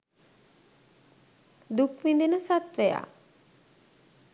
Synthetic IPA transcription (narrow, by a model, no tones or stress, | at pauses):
d̪ukʋind̪inəsat̪ʋeja̰ː